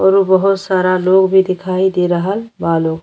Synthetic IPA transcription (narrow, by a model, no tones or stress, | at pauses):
əɾubəɦut̪saɾaloɡbʱid̪ikʰaid̪eɾəɦəlbaloɡ